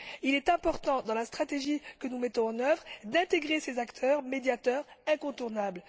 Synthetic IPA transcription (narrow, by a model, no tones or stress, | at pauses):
ilɛt̪ɛ̃pɔʁt̪ɑ̃d̪ɑ̃last̪χat̪eʒikənumɛt̪ɔ̃ɑ̃nœvʁd̪ɛ̃t̪eɡʁesezakt̪ʰœʁmed̪jat̪œʁɛ̃kɔ̃t̪uʁnabl